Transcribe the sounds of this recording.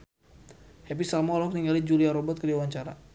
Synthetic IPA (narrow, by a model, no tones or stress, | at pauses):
hɛp̬isalmɔlɔk̚niŋalid͡ʒuliaɾɔbɔt̪̚kədiawaɲt͡ʃaɾa